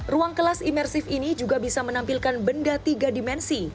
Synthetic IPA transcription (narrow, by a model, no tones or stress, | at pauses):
ruaŋkəlasimɛrsɪfinid͡ʒuɡabisamənampilkanbəndat̪iɡadimɛnsi